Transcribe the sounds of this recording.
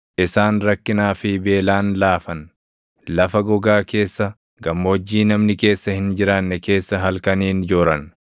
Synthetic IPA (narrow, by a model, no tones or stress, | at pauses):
ʔɪsaːnɾɐkːɪnaːfɪbe̞ːlaːnlaːfɐn | lɐfɐɡɔɡaːke̞ːsːɐ | ɡɐmːoːd͡ʒːiːnɐmnɪke̞ːsːɐhɪnd͡ʒɪɾaːnːɛke̞ːsːɐɦɐlkɐniːnd͡ʒoːɾɐn